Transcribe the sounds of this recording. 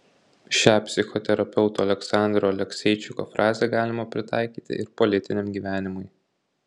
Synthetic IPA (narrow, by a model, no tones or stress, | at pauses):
ʃʲæːpʲsʲɪxɔt̪ʲɛɾɐpʲɛʊt̪uːɐlʲɛksɑˑnd̪ɾoːɐlʲɛksʲɛɪt͡ʃʲʊko̰ːfɾʔɑːzʲeɡɑːlʲɪmɐpʲɾʲɪt̪ɑ̰ɪkʲiːt̪ʲɪ̰ʔɪɾpɔlʲɪt̪ʲɪnʲɛmɡʲiːʋʲæːnʲɪmʊɪ